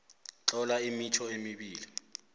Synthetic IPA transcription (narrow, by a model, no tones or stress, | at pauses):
t͡ɬɔlaimit͡ʃʰɔemiɓiːli